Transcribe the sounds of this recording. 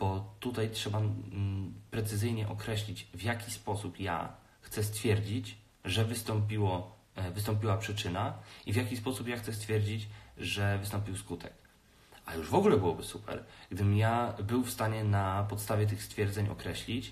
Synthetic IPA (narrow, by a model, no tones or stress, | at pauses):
b̥ɔt̪ut̪ajtʂɛba | pɾɛt̪sɘzɘjɲɛʔɔkɾɛɕlʲit͡ɕvjakʲispɔsupja̰ | xt̪sɛst̪fʲjɛɾd͡ʑit͡ɕ | ʐɛvɘst̪ɔmp̬ʲiwɔ | vɘst̪ɔ̃mpʲiwapʂɘt͡ʂɘnaivʲjakʲispɔsupjaxt̪sɛst̪fʲjɛɾd͡ʑit͡ɕʐɛvɘst̪ɔmpʲiwskut̪ʰɛk | ajuʐvɔɡulɛbɘwɔbɘsupɛ̰ɾɡd̪ɘmjabɘwfst̪aɲɛnapɔt̪st̪avʲjɛt̪̬ɘxst̪fʲjɛɾd̪zɛɲɔ̰kɾɛɕlʲit͡ɕ